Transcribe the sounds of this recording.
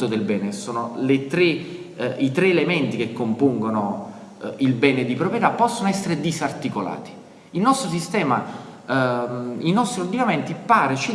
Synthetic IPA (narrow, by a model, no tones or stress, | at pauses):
od̪elbɛːnesoːnolet̪ɾe | it̪ɾeːlemɛnt̪ik̟ekːompuŋɡono | ilbɛːned̪ipɾopɾjet̪apːɔsːonoɛsːeɾed̪isart̪ikola̰ːt̪i̥ | ilnɔst̪ɾos̬ist̪ɛːma | inɔst̪ɾiod̪inament̪ipaːɾet͡ʃi